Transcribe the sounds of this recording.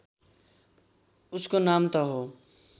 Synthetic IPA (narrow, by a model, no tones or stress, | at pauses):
uskonamt̪ʌɦo